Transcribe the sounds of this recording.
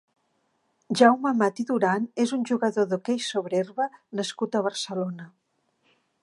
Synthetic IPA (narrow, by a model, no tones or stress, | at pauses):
ʒawməmat̪iðuɾanezunʲʒuɣəðoðokejsoβɾerβənəskut̪əβərsəlonə